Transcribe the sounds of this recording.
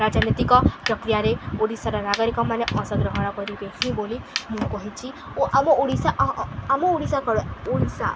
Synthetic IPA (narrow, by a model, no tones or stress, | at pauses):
ɾad͡ʒanet̪ikɔpɾɔkɾijaɾeuɽisaɾɔnaɡɔɾikɔmaneʔɔ̃sɔɡɾɔɦɔnɔkɔɾiɾekʰĩbolimũkɔɦĩt͡ʃʰi | oʔamɔʔuɽisaamɔuɽisakɔɾuuɽisa̰